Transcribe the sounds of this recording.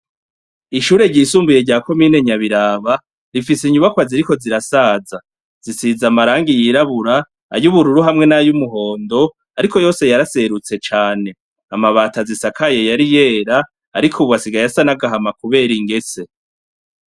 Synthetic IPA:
iʃuːɾe̞ɾɟisuːmbuje̞ɾɟaːko̞miːne̞ɲaβiɾaːβa | ɾifiseɲuβakwaziɾiko̞ziɾasaːza | z̥isizamaɾaːŋɡijiɾaβuɾa̰ː | ɾjuβuɾuɾuɦamŋe̞najumuɦo̞ːndo̞ | aɾiko̞jo̞ːse̞jaɾase̞ɾut͡se̞t͡ʃaːne̞ | amaβaːtazisakʰaje̞jaɾije̞ːɾaː | ɾikʰuβuβasiɡajasanaɡaɦamakuβe̞ːɾiŋɡe̞se̞

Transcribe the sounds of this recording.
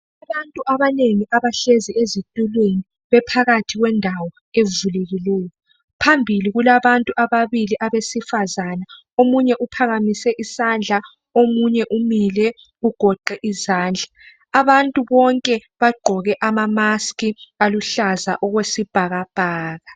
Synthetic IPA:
aβantʼuʔaβaneŋiʔaβaɬeziezitʼulweni | βɛpʰaɣatʰiɣwɛndʱawɔ | evuleɣilɛːjɔ | pʰambʱiliɣulaβantʼuʔaβaβiliʔaβesifazana | omuɲɛʔupʰaɣamisɛʔisand͡ɮʱa | omuɲɛʔumilɛ | uɡ̥ʱɔǃɛʔizaːnd͡ɮʱaː | βantʼuβɔŋkʼɛβaɡ͡ǃʱɔɣɛʔamamaskʼialuɬaza̰ʔɔɣwesib̥ʱaɣab̥ʱaːɣa

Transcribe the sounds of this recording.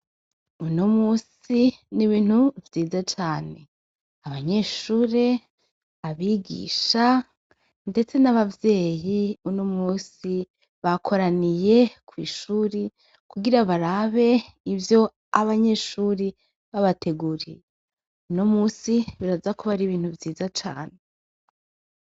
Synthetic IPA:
uno̞muːsiniβiːn̥huvjiːzat͡ʃaːne̞ | aβaɲe̞ʃuːɾe̞ | aβiɡḭːʃa | nde̞t͡se̞naβavje̞ːjiunomuːsi | βakʰo̞ɾanije̞kʰwiːʃuːɾi | kuɡiɾaβaɾaβe̞ | ivjo̞ | aβaɲe̞ʃuːɾi | βaβatʰe̞ɡuːɾḭje | uno̞muːsiβiɾazakoβaɾiβiːn̥huvjiːzat͡ʃa̰ːne

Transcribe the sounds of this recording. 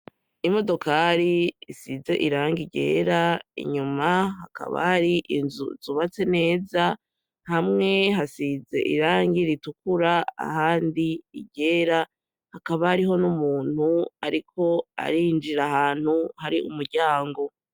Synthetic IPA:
imo̞do̞kaːɾiisize̞̰ʔiɾaːŋɡiɟe̞̰ːɾaḭɲumaɦaka̰βa̰haɾiʔnzṵzuβat͡se̞ne̞ːza | hamŋe̞ɦasize̞ʔḭɾaːŋɡiɾitukuɾaa̰haːndiiɟe̞ːɾa | hakaβahaɾiɦo̞numuːn̥hua̰ɾikʰo̞a̰ɾind͡ʒiɾahaːn̥huhaɾiʔṵmuɾɟaːŋɡo̞

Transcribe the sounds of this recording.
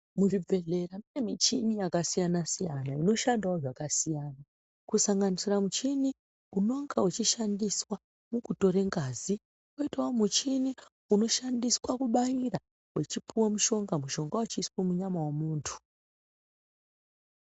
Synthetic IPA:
murib͡ve̞ɮeramiemit͡ʃinijakasijanasijanaino̞ʃandaoʐakasijaːna | kusaŋɡanisiramut͡ʃini | uno̞ŋɡaut͡ʃiʃandiswa | mukuto̞ɾe̞ŋɡaːzi | koitaomut͡ʃini | uno̞ʃandiswakuɓajira | wet͡ʃipiwamuʃo̞ŋɡamuʃo̞ŋɡaut͡ʃiːswomuɲamawamuːntʰu̥

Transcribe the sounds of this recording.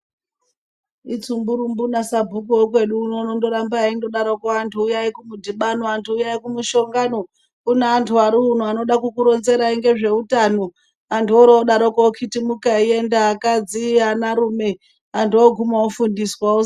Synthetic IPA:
it͡sumbuɾumbunasabʱuk̬uwokwe̞ɗuːnonondoɾambaindoɗaɾokoantʰuːjaikumudʱiɓanoantʰuːjaikumuʃo̞ŋɡano | kuneːntʰuaɾiun̤uano̞ɗakukuɾo̞nze̞ɾaiŋɡe̞ʐe̞utano̞ | antoɾooɗaɾokookʰitimukaie̞ndaːkad͡zianaɾume̞ | antuoɡʱumaofundiswao

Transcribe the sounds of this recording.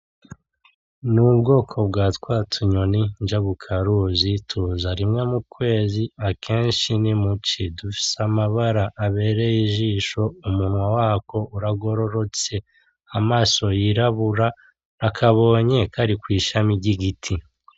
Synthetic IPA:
nubɡo̞ːkʰo̞bɡaːtkwaːtʰuɲonind͡ʒaβukʰaɾuzitʰuzaɾimŋemukwe̞ːziakʰeːnʃinimut͡ʃidufi̥seamaβaɾaʔːβe̞ːɾe̞jiʒiːʃo̞umun̥wawaːko̞uɾaɡo̞ɾo̞ɾo̞t͡se̞ | amaːso̞jiɾaβuɾa | nakʰaβo̞ːɲe̞kʰaɾikwiːʃamiɟiɡitʰi

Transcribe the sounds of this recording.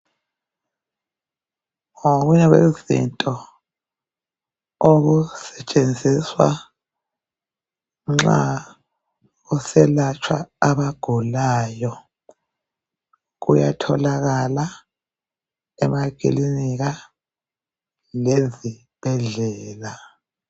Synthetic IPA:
ŋoɣuɲɛɣwezḭntʼɔ | oɣusɛt͡ʃʼend͡zʱiswa̰ | ŋ͡ǁa̰ | usɛlat͡ʃʰwa̰aβaɡ̥ʱulaːjɔ | ɣṵjatʰɔlaɣala | ɛmak̬ʼḭliniɣa | lezi | b̥ʱɛɮɛːla

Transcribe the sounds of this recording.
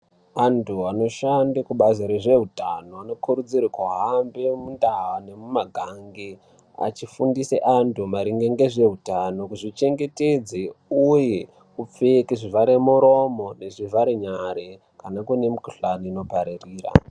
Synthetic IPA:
antʰuano̞ʃandakuɓazoɾeʐe̞ɦutano̞ano̞kʰuɾud͡ziɾikuɦambemundaɦane̞mumaɡʱaŋɡi | a̰t͡ʃifundisḛʔantʰumaɾiŋɡeŋɡeʐe̞ɦutano̞kuʐit͡ʃe̞ŋɡe̞te̞d͡zeuje | kup͡fekiʐivaɾemuɾo̞mo̞ne̞ʐivaɾeɲaɾe | kanakune̞mukuɬaniːno̞paɾeriːra̰

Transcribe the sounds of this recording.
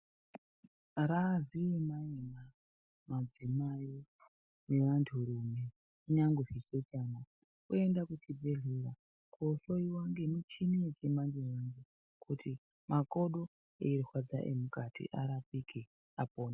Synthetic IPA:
ɾaziemaena | mad͡zimaji | ne̞ʋantʰuɾume̞ | uɲaŋɡuʐiset͡ʃaːna | uendakutibʱeɮeɾa | koɬoiwaŋɡenut͡ʃinet͡ʃemand͡ʒewaŋɡe | kʰutʰi | makoɗo | ḛiɾixwad͡za̰ʔḛmukatʰḭʔaɾapikʰi | apoːna

